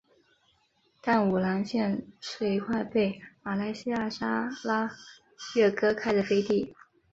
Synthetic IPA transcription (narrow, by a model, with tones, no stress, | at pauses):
t̪a˥˩nu˨˩la˧˥nɕjɛ˥˧nʂe˧i˧˥kʰwa˥˧ɪpe˥˩ɪma˨˩la˥˩ɪɕi˥ja˥˩ʂa˥la˥ | ɥɛ˥˩kɤ˥kʰa˥ɪd̪ə˨˩fe˥ɪt̪i˥˩